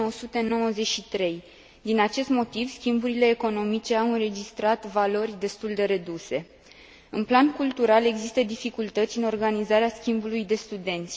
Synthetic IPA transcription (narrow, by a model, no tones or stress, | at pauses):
osut̪e̞no̞wəze̞ʃit̪ɾe̞j | d̪inat͡ʃe̞st̪mo̞t̪ivskʲimbuɾile̞ːko̞no̞mit͡ʃe̞awɨnre̞d͡ʒist̪ɾat̪valo̞rʲd̪e̞st̪uld̪e̞ɾe̞d̪use̞ | ɨnplankult̪uɾale̞ɡzist̪əd̪ifikult̪ət̪sʲɨno̞rɡanizaɾeaskʲimbulujd̪e̞st̪ud̪e̞nt̪sʲ